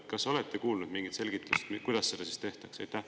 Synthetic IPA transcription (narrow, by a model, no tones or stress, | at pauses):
kɑso̞let̪ːekuːlnud̪miŋɡit̪se̞lɡ̥it̪lust̪kujd̪̥ɑsːed̪̥ɑsiːst̪e̞ht̪ɑksɑjt̪ːˑæh